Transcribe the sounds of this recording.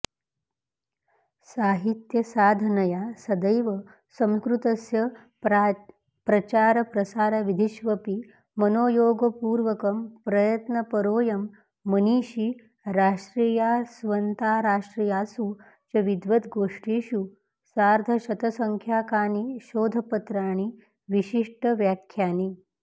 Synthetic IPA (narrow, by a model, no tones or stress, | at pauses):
saːɦit̪jɐsaːd̪ʱɐnɐjasɐd̪əjʋɐ | sɐ̃mskɾut̪ɐsjɐ | pɾɐt͡ɕaːɾɐpɾɐsaːɾɐʋid̪ʱiʃʋɐpi | mɐnoːjoːɡɐpuːɾʋɐkɐmpɾɐjɐt̪nɐpɐɾoːjɐmː | ɐniːɕi | ɾaːʂʈɾiːjasʋɐnt̪aːɾaːʂʈɾiːjaːsu | t͡ʃɐʋid̪ʋɐt̪ɡoːʂʈiːɕu | saːɾd̪ʱɐɕɐt̪ɐsɐŋkʰjaːkaːniʃoːd̪ʱɐpɐt̪ɾaːɳ̃i | ʋiɕiʂʈəʋjakʰːjaːni